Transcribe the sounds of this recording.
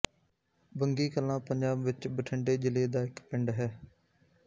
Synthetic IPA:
bəŋɡiːkəlãːpəɲd͡ʒaːbʋɪt͡ʃbəʈʰəɳɖeːd͡ʒɪleːd̪aːɪkpɪɳɖɦɛː

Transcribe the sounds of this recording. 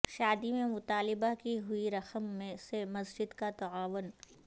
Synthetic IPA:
ʃaːd̪imẽmʊt̪aːlɪbakiɦʊiɾɐxəmːẽsemɐsd͡ʒɪd̪kat̪ɐaːʋʊn

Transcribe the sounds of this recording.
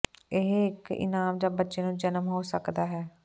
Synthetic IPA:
ɪɦɪkɪ̰naːmd͡ʒaːbətːʃeːnũːd͡ʒənəmɦoːsəkd̪aːɦɛː

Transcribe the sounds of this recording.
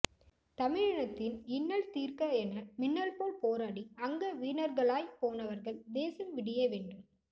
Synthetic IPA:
t̪ɐmɪɻɐɳɐt̪ːɪnɪnːɐɭt̪iːrkɐɛnɐmɪnːɐlpoːɭpoːɾaːɽiɐŋɡɐʋiːnɐɾɣɐɭaːjpoːnɐʋɐɾɣɐɭd̪eːsɐmʋɪɽɪjɐʋeːɳɖɯm

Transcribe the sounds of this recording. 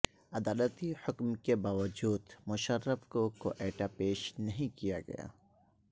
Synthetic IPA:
ɐd̪aːlət̪ihʊkmkebaːʋəd͡ʒuːd̪mʊʃəɾːəfkoko̰ʔɛːʈapeːʃnɐɦĩkija̰ɡɐ̰ja̰ː

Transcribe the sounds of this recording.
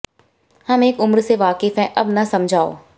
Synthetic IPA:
hɐmeːkʊmɾseʋaːkɪfɦɛ̃ʔɐbnɐsɐmd͡ʒʱaːo̰ː

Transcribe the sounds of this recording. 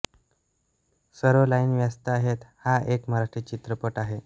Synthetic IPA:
səɾolainʋjast̪əaɦet̪haʔekmaɦɾaʂʈɾit͡ɕit̪ɾəpəʈaɦe

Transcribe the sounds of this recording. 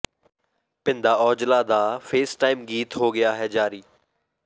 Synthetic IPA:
pɪ̃nd̪aːɔːd͡ʒlad̪aːfʰeːsʈaːɪmɡiːt̪ɦoːɡɪjaːɦɛːd͡ʒaːɾiː

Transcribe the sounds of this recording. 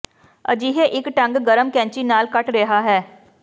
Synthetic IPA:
ɐ̰d͡ʒiːɦeʔɪkʈɐ̃ŋɡɡɐɾəmkɛ̃ːɲt͡ʃinaːlkɐʈɾɛɦaɦɛː

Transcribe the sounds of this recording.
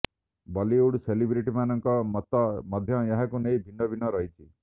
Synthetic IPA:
bɔliuɽselibɾiʈimanɔŋkɔmt̪ːɔmɔd̪ʱjɔjaɦakunejbʱinːɔbʱinːɔɾɔɦitʰi

